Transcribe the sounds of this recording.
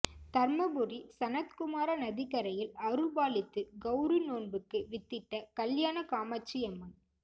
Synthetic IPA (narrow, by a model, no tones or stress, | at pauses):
t̪ɐɾmɐbʊɾisɐnɐt̪kʊmaːɾɐnɐðɪɣɐɾɐjɪlɐɾɯlbaːlɪt̪ːɯɡɐʊɾɯnoːnbɯkːɯʋɪt̪ːɪʈːɐkɐljaːnɐkaːmɐt͡ʃːiɐmːɐn